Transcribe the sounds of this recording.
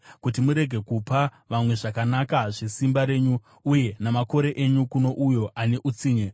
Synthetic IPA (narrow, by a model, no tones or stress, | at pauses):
kut̬imuɾe̞ɡʱe̞kupa | ʋamwe̞ʐakanakaʐesimbaɾe̞ːɲu | uje̞namako̞ɾe̞ʔeɲukuno̞ʔujo̞ʔaneʔut͡siːɲe